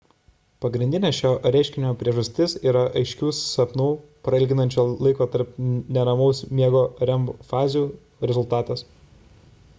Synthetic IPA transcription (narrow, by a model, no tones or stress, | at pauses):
pɐɡɾʲɪnʲd̪ʲɪnʲeːsʃʲoːɾʲɛɪʃʲkʲɪnʲmoːpʲɾʲiɛʒɐsʲt̪ʲɪsiːɾɐʔɐɪʃʲkʲuːssɐpnuːpɾɐɪlʲɡʲɪnɐnʲt͡ʃʲoːlˠɐɪkoːt̪ɐɾpnʲɛɾɐmɐʊsmʲiɛɡoːɾʲɛmpfɑːzʲjuː | ɾʲɛzʊlˠt̪ɑːt̪ɐs